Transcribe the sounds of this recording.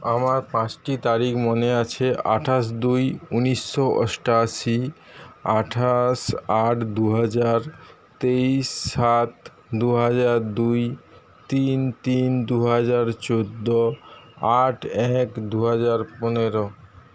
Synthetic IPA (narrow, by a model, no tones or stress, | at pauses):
amaɾpãt͡ɕʈit̪aɾikmoneat͡ɕʰeʔa̰ʈʰaʃ̬d̪ujuniʃːoʔɔ̰ʃʈaʃi | aʈʰaʃaʈʰd̪uɦad͡ʑaɾ | t̪eiʃːat̪ | d̪uɦad͡ʑaɾd̪uj | t̪int̪ind̪uɦad͡ʑaɾt͡ɕod̪ːoaʈʰɛkd̪uɦad͡ʑaɾponeɾo